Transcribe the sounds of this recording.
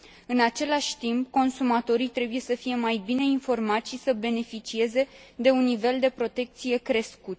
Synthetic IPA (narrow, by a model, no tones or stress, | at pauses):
ɨnat͡ʃe̞laʃʲt̪impko̞nsumat̪o̞ɾit̪ɾe̞buje̞səfije̞majbine̞info̞rmat̪ʃisəbe̞ne̞fit͡ʃie̞ze̞d̪e̞unːive̞ld̪e̞pɾo̞t̪e̞k̚t̪sije̞kɾe̞skut̪